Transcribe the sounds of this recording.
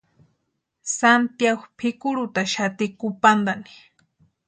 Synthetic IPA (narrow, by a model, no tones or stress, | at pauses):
sant̪jaxpʰɪkʊɾʊt̪aʃat̪ɪkʊpand̪anɪ̥